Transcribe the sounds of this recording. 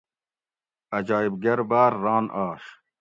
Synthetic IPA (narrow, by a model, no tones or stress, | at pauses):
ɐd͡ʑɑːibɡɐɾbaːɾːɑːnʔɑːɕ